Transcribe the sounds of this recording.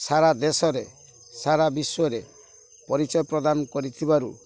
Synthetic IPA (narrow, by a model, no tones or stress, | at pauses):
saɾad̪esɔɾe | saɾabisɔɾe | pɔɾit͡ʃɔjɔpɾɔd̪anɔkɔɾit̪ʰibaɾu